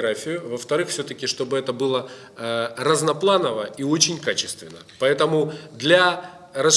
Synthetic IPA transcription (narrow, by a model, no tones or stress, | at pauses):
ɾafʲɪjʊvəft̪ɐɾɨxfsʲɵt̪əkʲɪʂt̪o̞bɨɛt̪əbɨlˠə | rɐznɐplˠanəvəio̞t͡ɕɪnʲkat͡ɕɪ̥st̪vʲɪnːəpɐɛt̪əmʊd̪lʲa | rɐs